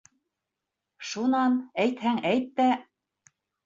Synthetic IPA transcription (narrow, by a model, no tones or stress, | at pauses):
ʃunɑnæjt̪hæŋæjt̪ːæ